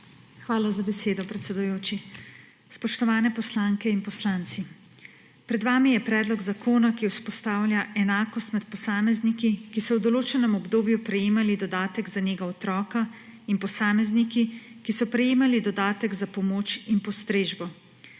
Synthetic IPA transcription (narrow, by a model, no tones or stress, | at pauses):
xʋaːlazabɛseːd̪ɔpɾɛt̪sɛd̪ujoːt͡ʃi | spɔʃt̪ɔʋaːnɛpɔslaːŋkɛinpɔslaːnt̪si | pɾɛd̪ʋaːmijɛpɾɛːd̪lɔɡzakʰoːnakiwspɔst̪aːwlʲjaʔɛnaːkɔst̪mɛt̪pɔsaːmɛznikikisɔwd̪ɔloːt͡ʃɛnɛmɔbd̪oːbjupɾɛjeːmalid̪ɔd̪aːt̪əɡzaneːɡaɔt̪ɾɔːka | inpɔsaːmɛznikikisɔpɾɛjeːmalid̪ɔd̪aːt̪əɡzapɔmoːt͡ʃinpɔst̪ɾeːʒbɔ